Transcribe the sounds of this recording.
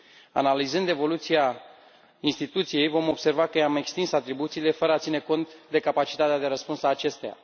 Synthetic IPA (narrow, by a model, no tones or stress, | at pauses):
a̰nalizɨnd̪e̞vo̞lut̪sija | inst̪it̪ut̪sije̞jvo̞mo̞bse̞rvakəjame̞kst̪insat̪ɾibut̪siːle̞fəɾəat̪sineko̞nt̪d̪e̞kapat͡ʃit̪at̪ead̪e̞ɾəspunsaːt͡ʃe̞st̪eja̰